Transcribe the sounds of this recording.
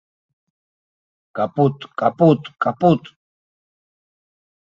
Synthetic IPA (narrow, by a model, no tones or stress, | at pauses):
kapʊt̪kʼapʊt̪kʼapʊt̪